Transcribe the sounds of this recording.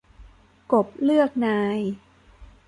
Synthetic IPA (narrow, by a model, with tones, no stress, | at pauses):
ko˨˩p̚lɯ˥˩ək̚naː˧j